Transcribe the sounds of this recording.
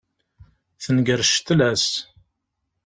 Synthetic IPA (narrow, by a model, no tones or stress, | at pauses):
θənɡəɾʃt̪læs